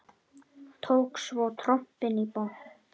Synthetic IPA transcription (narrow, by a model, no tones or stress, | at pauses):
t̪ʰowksvowt̪ʰɾɔm̥pɪnipo